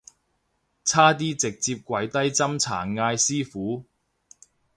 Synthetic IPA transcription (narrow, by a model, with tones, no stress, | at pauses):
t͡sʰaː˥t̪iː˥t͡sɪ˨k̚t͡siː˧p̚kʷwɐ˨˥jt̪ɐ˥jt͡sɐ˥mt͡sʰa̰ː˨˩nŋaː˧jsiː˥fuː˨˥